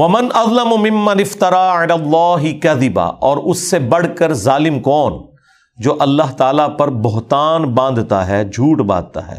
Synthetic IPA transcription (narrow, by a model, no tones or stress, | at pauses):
ʋɐmɪnʔɐðˤlɐmmɪ̃mːɐnɪft̪ɐɾaːɪlaːlˤːɑːɦɪkɐðɪba̰ʔɔːɾʊsːebɐɽ̤kəɾzaːlɪmkɔːn | d͡ʒoːʔɐlːaɦt̪aːlapɐɾbʊɦt̪aːnbãːnd̪t̪a̰ɦɛːd͡ʒʱuːʈbã̰ːd̪̚t̪a̰ɦɛ̰ː